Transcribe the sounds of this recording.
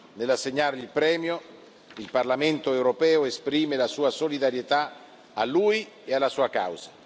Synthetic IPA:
nelasːeɲːaɾilpɾɛːmjo | ilparlament̪oɛwɾopɛːoespɾiːmelasuːasolid̪aɾjet̪a | aluj | ealːasuːaka̰wz̥a

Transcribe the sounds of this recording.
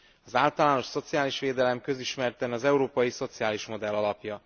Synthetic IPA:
ɒzaːlt̪ɒlaːno̞ʃso̞t̪sijaːliʃʋeːd̪ɛlɛmkø̞ziʃmɛrt̪ɛnɒzɛuɾoːpɒjiso̞t̪sijaːliʃmo̞d̪ɛlːɒlɒpjɒ

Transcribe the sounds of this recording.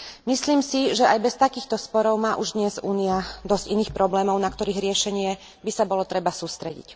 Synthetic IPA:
misliːmsiʒɛajbɛst̪akiːxt̪ɔspɔɾɔʊmaːʔuʒd̪ɲɛzuːniad̪ɔzciniːxpɾɔblɛːmɔʊnakt̪ɔɾiːɣɾɪɛʃɛɲɪɛ | bisabɔlɔt̪ɾɛbasuːst̪ɾɛ̰ɟḭc

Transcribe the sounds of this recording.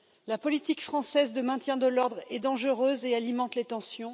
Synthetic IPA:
lapɔlit̪ikfχɑ̃sɛzd̪əmɛ̃t̪jɛ̃d̪əlɔʁd̪ʁɛd̪ɑ̃ʒəʁøzealimɑ̃t̪let̪ɑ̃sjɔ̃

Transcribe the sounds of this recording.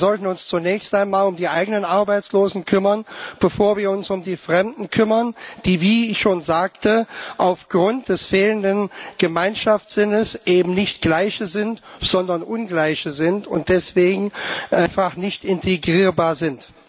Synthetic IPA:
zɔltn̩ʊnst͡sunɛːçstaɪnmaːlʊmdiːʔaɪɡənənʔaɐbaɪt͡sloːzn̩kʰʏmɐnb̥əfoːɐviːɐʊnsʊmdiːfʁ̥ɛmdn̩kʰʏmɐnd̥iːviːɪçʃoːnzaːktʰəʔaʊfɡ̥ʁʊnt̚d̥ɛsfeːləndənɡ̥əmaɪnʃafz̥ɪnəsʔeːbm̩nɪçtɡ̥laɪçəzɪntz̥ɔndɐnʔʊnɡlaɪçəzɪntʊ̰nt̚d̥ɛsv̥eːɡŋ̩ʔanfaχnɪçtɪntʰeɡʁiːɐbaːɐzɪnt

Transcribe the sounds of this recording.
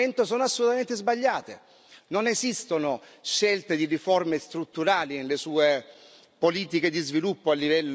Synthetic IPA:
ent̪osoːnoasːolut̪ament̪ezbaʎːaːt̪ḛ | nonezist̪onoʃelt̪ed̪iriformest̪ɾut̪ːuɾaːlinelesuːe | poliːt̪ik̟ed̪izvilupːoalːivɛlː

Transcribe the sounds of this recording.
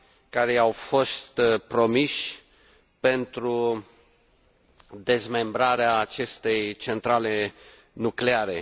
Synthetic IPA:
kaɾe̞jawfo̞st̪pɾo̞miʃʲ | pe̞nt̪ɾu | d̪e̞zme̞mbɾaɾeaːt͡ʃe̞st̪e̞jt͡ʃe̞nt̪ɾale̞ | nukleaɾe̞

